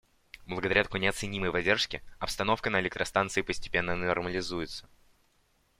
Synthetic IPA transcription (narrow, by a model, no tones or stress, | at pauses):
blˠəɡəd̪ɐɾʲat̪ɐ̥konʲɪɐt̪sɨnʲiməjvɐdʲerʂkʲɪɐpst̪ɐno̞fkənəɪlʲɪk̚t̪ɾəst̪ant̪sɨɪpəsʲtʲɪ̥pʲenːənɐrməlʲɪzujɪt̪sə̥